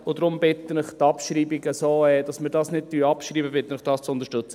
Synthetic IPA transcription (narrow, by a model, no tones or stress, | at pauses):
od̪ɾʊmbɪt̪ənɪχtɑpʃɾiːbiɡəsoːɛːd̥ɑsmɪɾdɑːsnɪt̚tyɑpʃɾiːbəbɪt̪ːənɪχd̥ɑːst͡sʊnd̪əɾʃtɵt͡sə